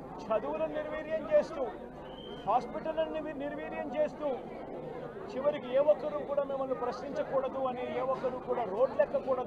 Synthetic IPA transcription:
t͡ʃɐd̪uwulɐniɾʋiːɾjɐmt͡ʃe̞ːst̪uː | haːspiʈɐlɐnːiniɾʋiːɾjɐmt͡ʃe̞ːst̪uː | t͡ʃiʋɐɾikieːʋɔkːɐɾuːkuːɽaːmimːɐnupɾɐʃniɲt͡ʃɐkuːɽɐd̪uɐnieːʋɔkːɐɾuːkuːɽaːɾo̞ːɖlɛkːɐkuːɽɐd̪u

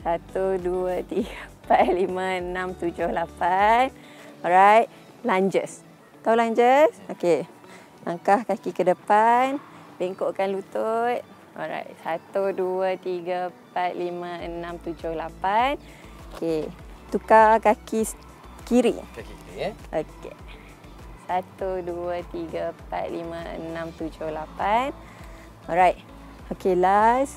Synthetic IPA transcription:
sat̪uduət̪iɡəpat̪̚limə̃ənãmt̪ud͡ʒʊhlapan | ɔɾajt̪̚ | laɲd͡ʒəs | t̪aulaɲd͡ʒəsoke | la̰ŋkahkakikədəpan | beŋkoʔkanlut̪ot̪̚ | ɔ̰ɾa̰jt̪̚sat̪uduət̪iɡəpat̪̚limə̃ənãmt̪ud͡ʒʊhlapan | oket̪ukakaki | kiɾḭ | ʔoke | sat̪uduət̪iɡəpa̰t̪̚limãə̰nãmt̪ud͡ʒʊhlapan | ɔɾajt̪̚ | okelas

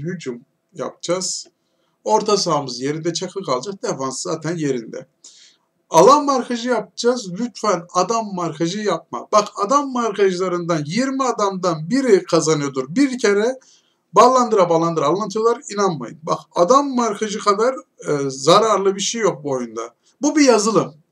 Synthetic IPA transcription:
hyd͡ʒum | ja̰p̚d͡ʒaz̥ | o̞ɾt̪ʰas̬aːmɯzje̞ɾind̪ɛt͡ʃʰakʰɯkʰalˠd͡ʒak̚d̪efanszaːt̪ʰænje̞ɾind̪ɛ̰ | alˠamːaɾkʰaʒɯjap̚d͡ʒazlʲyt̪fɛnad̪amːaɾkʰaʒɯjap̚ma̰b̥akad̪amːaɾkʰaʒɯlˠaɾɯnd̪anjiɾmiad̪amd̪anbiɾikʰazanɯjod̪uɾbiɾcʰeɾɛ | baːlˠand̪ɯɾabaːlˠand̪ɯɾalˠant̪ʰɯjolˠaɾinanma̰jɯ̰nbakad̪amːaɾkʰaʒɯkʰad̪aɾzaɾaɾlˠɯbiɾʃejːo̞k̚buo̞jund̪a | bubijazɯlˠɯm

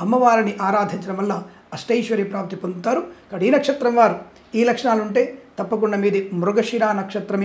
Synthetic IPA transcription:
ɐmːɐʋaːɾiniʔaːɾaːd̪ʱiɲt͡ʃɐɾɐmʋɐlːaː | ɐsʈɐjʃʋɐɾiːpɾaːpt̪ipond̪ut̪aːɾukɐɽiːnɐkʂɐt̪ɾɐmʋaːɾu | iːlɐkʂɐɳaːluɳʈe̞ːt̪ɐpːɐk̬uɳɖɐmiːd̪imɾuɡɐʂinaːnɐkʂɐt̪ɾɐm

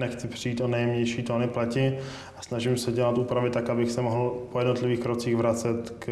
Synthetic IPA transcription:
nɛxt͡sɪpr̝̥ɪiːt̪ʔo̞nɛjɛmɲɛjʃiːt̪onɪplɛcɪ | ʔasnaʒɪmsɛɟɛlat̪ʔuːpɾavɪt̪akabɪxsɛmoɦl̩pʰojɛdno̞t̪lɪviːxkɾot͡siːɣvɾat͡sɛt̪k

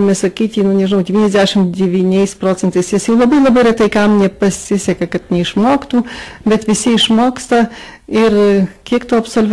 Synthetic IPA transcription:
mʲɛsɐkʲiːt̪ʲiːnʊnʲɛʒɪnɐʊdʲɛʋʲiːnʲɛzʲd̪ʲæːʃʲɪmd̪ʲɛʋʲiːnʲɛɪspɾoːt͡sʲɛnt̪ɐɪsjɪsjɛʊlˠɐbɐɪlˠɐbɐɪɾʲɛt̪ɐɪkɐmnʲɛpɐsʲɪsʲɛkɐkɐt̪nʲɛɪʃmoːkt̪uːbʲɛt̪ʋʲɪsʲɪɪʃmoːkst̪ɐɪrkʲiɛkt̪oːɐpsolʲʋʲ

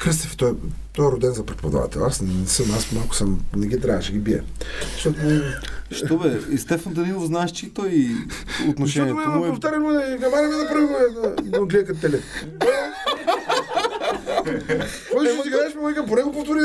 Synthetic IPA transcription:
kɾəs̬t̪əfɛ̥t̪ɔɛt̪ɔɛɾʊd̪ɛnzɐpɾɛt̪po̰d̪ɐ̰va̰t̪ɛ̰lˠasnnɛsəmasmalˠkʊ̥səmnɛɡʲid̪ɾaɐʃɛɡʲibiɛ̰zɐ̥ʃt̪ɔt̪ʊʃt̪ɔbɛst̪ɛfɐnd̪ɐnilˠofznaɛʃt͡ʃit̪ɔj | ot̪noʃɛniɛmɛmɔɛpoft̪aɾɐmɛnɐmaɾɐmɛd̪ɐpɾəvimɛd̪ɐid̪oɡliɐkɐt̪t̪ɛlɛ | kɔmot̪iɡd̪ɛʃmɛɔɛkəmpʊɾɛɡupoft̪oɾi

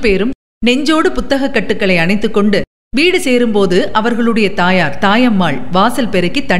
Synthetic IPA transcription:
peːɾɯm | nɛɲd͡ʒoːɽɯpʊt̪ːɐɣɐkːɐʈːɯkːɐɭɐɪɐɳɐɪt̪ːɯkːɔɳɖɯ | ʋiːɽɯseːɾɯmpoːðɯʔɐʋɐɾɣɐɭɯɽɐjɐt̪aːjaːɾt̪aːjɐmːaːɭʋaːsɐlpɛɾɯkːit̪ːɐ

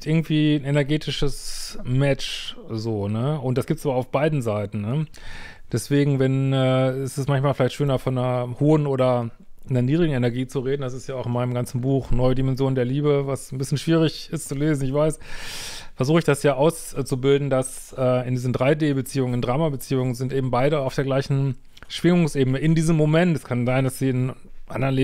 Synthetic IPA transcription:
tʔɪɐɡŋ̩tv̥iːnɛnɛɐɡeːtʰɪʃəsmɛt͡ʃzoːnəʊnt̚d̥asɡ̥iːp̚tsʔaːbɐaaʊfb̥aɪdn̩zaɪtn̩nə | d̥ɛsv̥eːɡŋ̩vɛnɛːɛsɛsmançmaːlfɪlaɪçtʃøːnɐfɔnːɐhoːənoːɾɐ | nɐniːdʁɪɡŋ̩ɛnɛɐɡiːt͡suʁeːdn̩dasɪstjaːaʊxɪnmaɪnəmɡant͡sn̩buːxnɔʏədimɛnzjoːndeːɐliːbəvasn̩bɪsçənʃv̥iːʁɪçɪstt͡suleːzn̩ɪçv̥aɪs | fɛɐzuːxəɪçd̥asjaːʔaʊst͡subɪldn̩das | ʔɛːɪndiːzndʁaɪdeːbət͡siːʊŋənɪndʁaːmabət͡siːʊŋənzɪntʔeːbm̩baɪɾəaʊfd̥eːɐɡlaɪçn̩ | ʃv̥ɪŋʊŋsʔeːbənəɪndiːzəmːomɛntɛskʰanzaɪndasz̥iːɪnʔa̰ndɐʁnleː

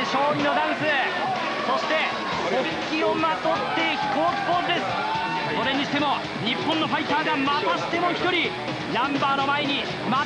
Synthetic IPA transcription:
ɕo̞ːɲĩno̞d̪ãɰ̃sɨ | so̞ɕi̥t̪e̞ | o | kʲio̞mat̪o̞t̪ːe̞çi̥ko̞ːkʲi̥poɾod̪e̞sɨ̥ | so̞ɾe̞ɲ̟iɕi̥t̪e̞mo̞ | ɲ̟ipːõnːo̞ɸait̪aːɡamat̪aɕi̥t̪e̞mo̞çi̥t̪o̞ɾʲi | nãmbaːno̞maeɲ̟i | ma

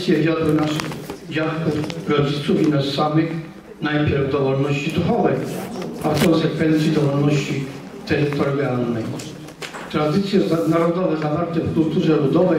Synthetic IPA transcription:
sʲjɛd͡ʑad̪ɛnaʂd͡ʑafkɔɾɔd͡ʑit̪suvinɔssavix | najpʲjɛɾvd̪ɔvɔɾnɔɕt͡ɕid̪uxɔvɛjafkɔnsɛkfɛnt̪sid̪ɔvɔɾnɔɕt͡ɕi | t̪ɛɾit̪ɔɾɡialnɛj | t̪ɾad̪it̪sʲjɛnaɾɔd̪ɔvɛzavaɾt̪ɛfkult̪uʐɛlud̪ɔvɛ

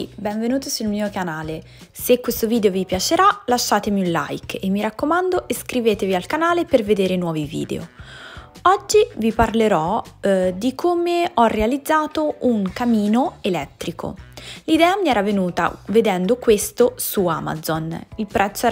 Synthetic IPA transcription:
bɛɱvenuːt̪osulmiːokanaːle | sekːwest̪oviːd̪eovipjat͡ʃeɾalaʃːaːt̪emiunla̰jkemːiɾakːomand̪oʔeskɾiveːt̪evialkanaːleperved̪eːɾenwɔːvivḭːd̪ḛo̰ | ɔd͡ʒːiviparleɾɔ | d̪ikʰoːmeɔrːealid̪zːaːt̪oʔuŋkamiːnoelɛt̪ːɾikʰo̰lid̪ɛːamiɛːɾavenuːt̪a̰ved̪ɛnd̪okwest̪osua̰ma̰zonilpɾʔɛt̪sːoɛ

